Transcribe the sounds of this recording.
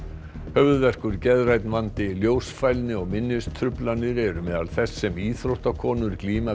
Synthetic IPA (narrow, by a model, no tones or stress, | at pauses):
hœvðvɛr̥kʏɾcɛðɾajt̪nvant̪ɪljoːwsfajlnɪɔɣmɪnːɪst̪ʰɾʏplanɪɾɛɾʏmɛːða̰lθɛsːɛmiːθɾowht̪akʰɔːnʏɾkliːma